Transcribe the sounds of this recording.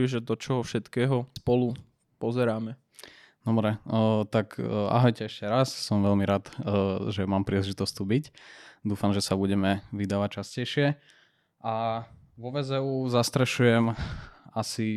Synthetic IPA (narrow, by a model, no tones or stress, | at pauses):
iʒɛd̪ɔt͡ʃɔɦɔfʃɛt̪kɛːɦɔspɔlu | pɔzɛɾaːmɛ | nɔmɾɛt̪aka̰ɦɔjcɛɛʃcɛɾassɔmʋɛʎmiɾaːd̪ʒɛmaːmpɾiːlɛʒit̪ɔst̪uːbicd̪uːfamʒɛsabuɟɛmɛʋid̪aːʋac̚t͡ʃascɛjʃɪɛ | ʔa | ʋɔʋɛzɛuzast̪ɾɛʃujɛmasi